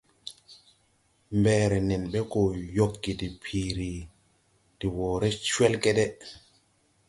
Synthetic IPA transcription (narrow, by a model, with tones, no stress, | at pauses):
mbɛːɾɛ˨nɛ˨nɓɛ˦kɔ˨jo˦˨kːi˨ti˨pʰiː˨ɾi˨ | ti˨wɔː˨ɾɛ˦t͡ʃwɛ˦lkɛ˦ɗɛ˦